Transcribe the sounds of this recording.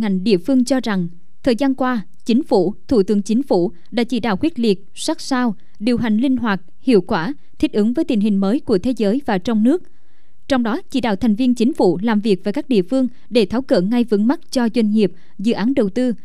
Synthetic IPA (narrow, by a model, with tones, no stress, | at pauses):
ŋa˨˩jŋ̟ɗḭ˧˨əfɨ˧əŋt͡ɕɔ˧za˨˩ŋ | t̪ʰəː˨˩jzaː˧nkwaː˧ | t͡ɕï˨˦ŋ̟fṵ˧˨t̪ʰu˧˩t̪ɨ˨˦əŋt͡ɕï˨˦ŋ̟fṵ˧˩ | ɗa̰ː˧˥t͡ɕḭ˧˩ɗaː˧˩wxwi˦˥t̚li˨˩ət̚swa˦˥k̚saː˧w | ɗi˨˩əwɦa˨˩jŋ̟lï˧ŋ̟ɦwaː˨˩t̚ | hḭ˧˨əwkwaː˧˩ | t̪ʰi˦˥t̚ʔɨ˨˦ŋvəː˨˦jt̪i˨˩n̟ɦï˨˩ŋ̟məː˨˦jku˧˩ət̪ʰe˨˦zəː˨˦jvaː˨˩t͡ɕɔ˧wŋ͡mnɨ˦˥ək̚ | t͡ɕɔ˧wŋ͡mɗɔ˨˦t͡ɕḭ˧˩ɗa̰ː˧˩wt̪ʰɛ˨˩ŋ̟vi˧ənt͡ɕï˨˦ŋ̟fṵ˧˩laː˨˩mvi˨˩ək̚vaː˨˩jkaː˦˥k̚ɗḭ˧˨əfɨ˧əŋ | ɗe˧˩t̪ʰaː˨˦wkə̰ː˧˨ŋa˧jvɨ̰˨˧˥ŋma˦˥t̚t͡ɕɔ˧zwa˧jŋ̟ŋi˨˩əp̚ | zɨ̰˧˨ʔaː˨˦nɗə˨˩wt̪ɨ˧